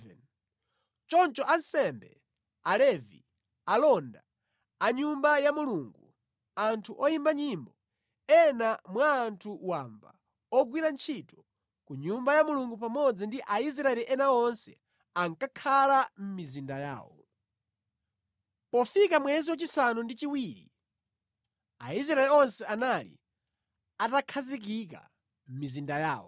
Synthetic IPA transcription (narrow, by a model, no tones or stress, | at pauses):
ɛn | t͡ʃɔnt͡ʃɔʔansɛmbɛ | alɛvḭ | alɔnda | aɲumbajamuluŋɡu | antʰuʔɔjimbaɲimbɔ | ɛnamwaːntʰuwamba | ɔɡwiɾant͡ʃʰitɔ̥ | kuɲumbajamuluŋɡup̬amɔd͡zindiʔais̬ɾaɛliʔɛnaɔnsɛ̰ | aŋkakʰalam̩mizindaja̰ːwɔ | pɔfikamwɛziwat͡ʃisanundit͡ʃiwiːɾḭ | a̰is̬ɾaɛlɛɔnsɛanalḭ | atakʰazik̬ik̬a̰ | m̩mizindaja̰ːwɔ̰